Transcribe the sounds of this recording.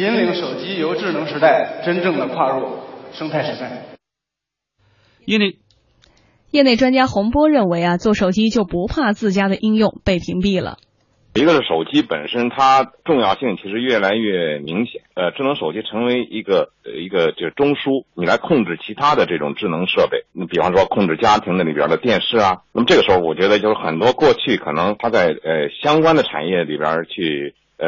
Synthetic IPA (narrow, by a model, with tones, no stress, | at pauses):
i˧˥nli˧˥ŋʂo˨˩ʊt͡ɕi˥jo˧˥ʊʈ͡ʂɻ̩˥˩nɤ˧˥ŋʂɻ̩˧˥t̪a˥˩ɪʈ͡ʂə˥nʈ͡ʂɤ˥˩ŋd̪ə˩kʰwa˥˧ɻɔ˥˩ʂɤ˥ŋt̪ʰa˥˩ɪʂɻ̩˧˥t̪a˥˩ɪ | jɛ˥˧ne˥˩ɪʈ͡ʂwa˥nt͡ɕja˥xʊ˧˥ŋpwɔ˥ɻə˥˩nwe˧˥ɪɐ˧t͡swɔ˥˩ʂo˨˩ʊt͡ɕi˥t͡ɕjo˥˩ʊpu˧˥pʰa˥˧t͡sɹ̩˥˩t͡ɕja˥d̪ə˨ʔi˥ŋjʊ˥˧ŋpe˥˩ɪpʰi˧˥ŋpi˥˩lə̰˩ | i˧˥ɡə˧ʂɻ̩˥˩ʂo˨˩ʊt͡ɕi˥pə˨˩nʂə˥nt̪ʰa˥ʈ͡ʂʊ˥˧ŋjɑ˥˧ʊɕi˥˩ŋt͡ɕʰi˧˥ʂɻ̩˧˥ɥɛ˥˩la˧˥ɪɥɛ˥˩mi˧˥ŋɕjɛ̰˨˩˦nə˧ʈ͡ʂɻ̩˥˩nɤ˧˥ŋʂo˨˩ʊt͡ɕi˥ʈ͡ʂʰɤ˧˥ŋwe˧˥ɪʔi˧˥ɡə˧ | i˧˥ɡə˧t͡ɕʂ̩˥˧˩ʈ͡ʂʊ˥ŋʂu˥ni˨˩la˧˥ɪkʰʊ˥˧ŋʈ͡ʂɻ̩˥˩t͡ɕʰi˧˥t̪ʰa˥d̪ə˨ʈ͡ʂɤ˥˩ʈ͡ʂʊ̰˨˩ŋʈ͡ʂɻ̩˥˩nɤ˧˥ŋʂɤ˥˧pe˥˩ɪn˥˩pi˨˩fɑ˥˧ŋʂwɔ˥kʰʊ˥˧ŋʈ͡ʂɻ̩˥˩t͡ɕja˥t̪ʰi˧˥ŋd̪ə˧li˨˩bjə̰˧˥d̪ə˧t̪jɛ˥˧nʂɻ̩˥˩ɐ˩na˥˩məʈ͡ʂɤ˥˩əʂɻ̩˧˥xo˥˧˩wɔ˨˩t͡ɕɥɛ˧˥d̪ə˧jo˥˧ʊʂ̩˥˧˩xə˨˩nt̪wɔ˥kwɔ˥˧t͡ɕʰy˥˩kʰɤ̰˨˩nɤ˧˥ŋt̪ʰa˥t͡sa˥˩ɪə˧ɕjɑ˥ŋkwa˥nd̪ə˨ʈ͡ʂʰa̰˨˩njɛ˥˩lḭ˨˩bjə̰˞˧˥t͡ɕʰy˥˩˧